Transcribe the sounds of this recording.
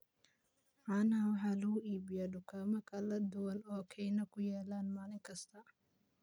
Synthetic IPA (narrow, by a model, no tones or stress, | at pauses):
maːnɐwɑħɑːlɐɣʊʔiːbɪjaːɖʊkʰaːmɐkʰɐlɐd̪ʊwɐnɔːkʰɛjnɐkʰʊjɛːlaːnmaːlɪŋkʰɐst̪ʰɐ